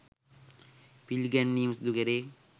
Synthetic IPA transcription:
pilɡɛnːiːmsd̪ukeɾe

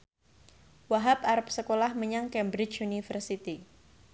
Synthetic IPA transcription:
waɦap̚aɾap̚səkolahməɲaŋkɛmbɾɪt͡ʃunifərsit̪i

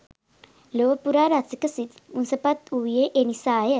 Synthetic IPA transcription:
loʋəpuɾaɾasikəsit̪unsəpat̪uʋjeʔenisajə

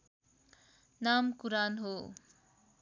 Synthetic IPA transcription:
namkuɾanɦo

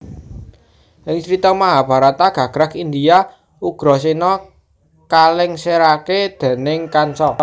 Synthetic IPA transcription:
ʔɪŋt͡ʃɾit̪ɔmaɦab̥ä̤ɾat̪aɡ̥ä̤ɡ̥ɾakind̪ia | uɡ̥ɾɔ̤sinɔ | kalɪŋseɾaked̪̥e̤nɪŋkansɔ

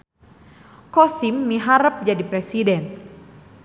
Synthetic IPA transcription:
kɔsimːiɦaɾəp̚d͡ʒadipɾɛsidɛn

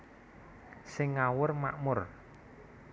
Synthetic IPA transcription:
sɪŋːawʊrma̰ʔmʊr

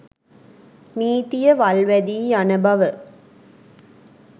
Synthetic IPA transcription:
niːt̪ijəʋɐlʋæd̪iːanubɐʋə

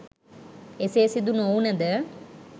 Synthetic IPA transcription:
eseːsid̪unounɐd̪ə

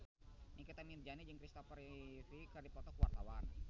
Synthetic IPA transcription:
nikit̪amit̪̚d͡ʒanid͡ʒəŋkɾist̪ɔpəɾifikərdipɔt̪ɔkəwart̪awan

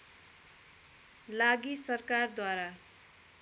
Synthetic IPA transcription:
laɡisʌrkard̪waɾa

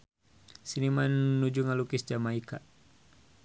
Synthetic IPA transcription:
sinimannud͡ʒuŋalukisd͡ʒamaika

